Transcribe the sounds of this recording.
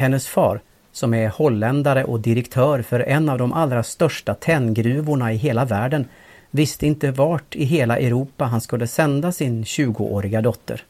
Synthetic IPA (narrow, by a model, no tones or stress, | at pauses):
hɛnːəsfɑ̰ːɾ | sɔmɛhɔlːɛnd̪aɾəʔɔd̪ɪɾɛkt̪ʰœːɾfœɾʔɛnːavd̪ɔmʔalɾast̪œʂʈat̪ʰɛnːɡɾʉ̟ːvʊɳaɪɦeːlavæːɖən | vɪst̪əɪnt̪əvaʈɪɦeːlaʔɛɾuːpːaɦanskɵlːəsɛnd̪asɪnɕʉ̟ːɡʊ̰ʔo̰ːɾɪɡad̪ɔt̪ʰːə̰ɾ